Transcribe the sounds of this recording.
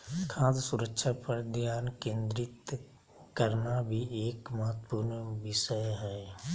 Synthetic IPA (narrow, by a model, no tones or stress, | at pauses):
kʰãːd̪sʊɾəkʃapəɾd̪ʱjaːnkẽːnd̪ɾɪt̪ | kəɾnabʱieːkməɦət̪ːə̥pʊɾnʋɪʃəjɦɛː